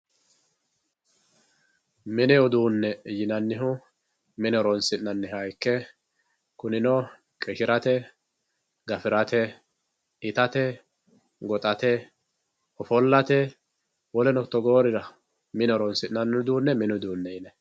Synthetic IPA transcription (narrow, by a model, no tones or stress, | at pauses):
mɪnɛɔd̪uːnːɛjɪnɐnːɪɦʊ | mɪnɔɾɔnsɪnɐnːɪɦajkːɛ | kʊnɪnɔ | kʼɛʃɪɾɐt̪ɛ | ɡɐfɪɾɐt̪ɛ | ɪt̪ɐt̪ɛ | ɡɔt̪ʼɐt̪ɛ | ɔfɔlːɐt̪ɛ | wɔlɛnɔt̪ːɔɡoːɾɪɾɐ | mɪnɔɾɔnsɪnɐnːd̪uːnːɛmɪnʊd̪uːnːɛjɪnɛ